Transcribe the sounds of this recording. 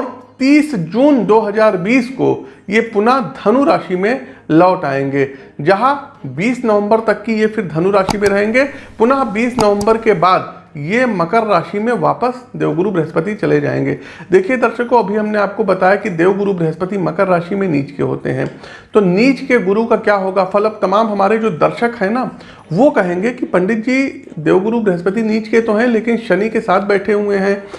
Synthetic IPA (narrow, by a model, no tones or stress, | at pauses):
ɔːɾt̪iːsd͡ʒuːnd̪oːɦɐzaːɾbiːsko̰jepʊnaɦd̪ʱɐnuɾaːʃimẽlɔːʈaːẽːŋɡeː | d͡ʒɐɦabiːsnɐʋə̃mbəɾt̪ɐkːijefʰɪɾd̪ʱɐnuɾaːʃimẽɾɐɦẽːŋɡeːpʊnaɦbiːsnɐʋə̃mbəɾkebaːd̪ | jemɐkəɾːaːʃimẽʋaːpəsd̪eːʋɡʊɾubɾɛɦəspət̪it͡ʃɐled͡ʒa̰ːḛ̃ːŋɡeː | d̪eːkʰied̪ɐɾʃəkːoɐbʱiɦɐmneaːp̚kobɐt̪aːjakid̪eːʋɡʊɾubɾɐɦəspət̪imɐkəɾːaːʃimẽniːt͡ʃkḛɦo̰ːt̪ḛɦɛ̰̃ː | t̪oniːt͡ʃkeɡʊɾukakjaːɦoːɡafɐləb̚t̪ɐmaːmɦɐmaːɾed͡ʒoːd̪ɐɾʃəkɦɛ̃na | ʋokɐɦẽːŋɡekipɐ̃ɳɖɪt̪̚d͡ʒi | d̪eːʋɡʊɾubɾɪɦəspət̪̬iniːt͡ʃket̪oɦɛ̃leːkɪnʃɐnikesaːt̪ʰbɛːʈʰeɦueɦɛ̃ː